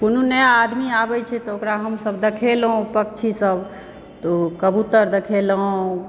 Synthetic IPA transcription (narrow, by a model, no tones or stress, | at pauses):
konunəjaːd̪miabɛt͡ʃʰɛt̪ɔokɾaɦəmsəbd̪ekʰelɦũpək̚t͡ʃʰisəb | t̪okəbut̪əɾd̪ekʰelɦũ